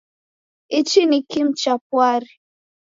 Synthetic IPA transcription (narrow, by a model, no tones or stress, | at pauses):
it͡ʃinikim̩t͡ʃapwaɾi